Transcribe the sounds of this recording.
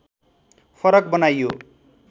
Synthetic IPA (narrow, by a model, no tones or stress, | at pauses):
pʰʌɾʌk̚bʌnajjo